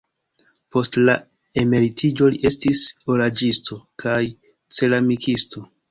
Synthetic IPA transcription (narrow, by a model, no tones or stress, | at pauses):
po̞stla | e̞me̞ɾitʰid͡ʒo̞liʔe̞stisoɾad͡ʒisto̞kaj | t͡se̞lamikʰistʰo̞